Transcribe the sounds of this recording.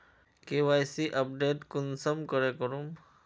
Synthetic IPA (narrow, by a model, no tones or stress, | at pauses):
kewajsiʔəp̚ɖeʈkunsɔmkɔɾekɔɾum